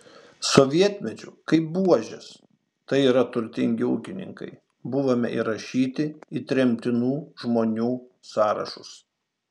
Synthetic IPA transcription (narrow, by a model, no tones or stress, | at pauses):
soʋʲiɛt̪ʲmʲɛt͡ʃʲʊ̰kɐɪpbuɔʒʲɛ̰s | t̪ɐɪiːɾɐt̪ʊɾʲt̪ʲɪŋʲɡʲɪʊ̰ːkʲɪnʲɪ̰ŋkɐ̰ɪ | bʊʋomʲɪ̰ʔḭɾɐʃʲiːt̪ʲɪit̪ʲɾʲɛmʲt̪ʲɪnuːʒmoːnʲuː | sɑːɾɐ̰ʃʊ̰s